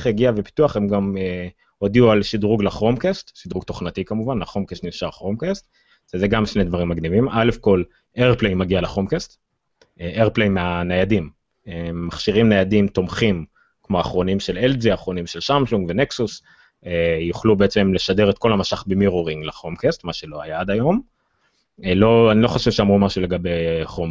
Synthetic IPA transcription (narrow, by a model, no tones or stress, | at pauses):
χeɡiavepi̥t̪uaχe̞mɡame | o̞d̪iualʃidʁuɡlaχʁo̞mkest̪ʃid̪ʁuɡto̞χnat̪ikamuvanaχo̞mkestniʃaʁχʁomkest̪ | vezeɡamʃned̪vaʁimːaɡnivimʔale̞fko̞l | eʁplejmaɡialaχomkest̪ | ʔeʁplejmeanejad̪im | eːaχʃiʁimnejad̪imt̪o̞mχim | kmo̞aχʁo̞nimʃelelziaχʁo̞nimʃelʃamsuŋɡveneksus | ejuχlubeet͡se̞mle̞ʃadeʁet̪̚ko̞lhamasaχbemiʁuʁiŋɡlaχo̞mkest̪maʃe̞lo̞ajaad̪ajo̞m | lo̞anilo̞χoʃevʃeamʁumaʃule̞ɡabejχom